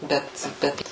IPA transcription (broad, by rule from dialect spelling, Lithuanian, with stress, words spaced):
ˈbʲɛt ˈbʲɛt